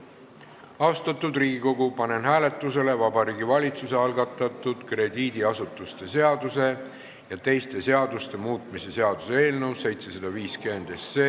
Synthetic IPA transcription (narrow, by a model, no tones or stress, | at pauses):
ɑost̪ɑt̪ːˑud̪riːɡ̥iko̞ɡ̥upɑne̞nɦæːle̞t̪ːˑuse̞le̞vɑbɑɾiːɡivɑlʲit̪suse̞ɑlɡɑt̪ːˑɑt̪ːˑud̪̥kre̞d̪̥iːd̪̥iɑsut̪ːˑust̪e̞se̞ɑd̪̥use̞ | jɑt̪e̞jst̪e̞se̞ɑd̪ust̪e̞muːt̪ˑmise̞se̞ɑd̪̥useeːlnewse̞jt̪se̞sɑd̪̥ɑviːskyend̪̥esːeː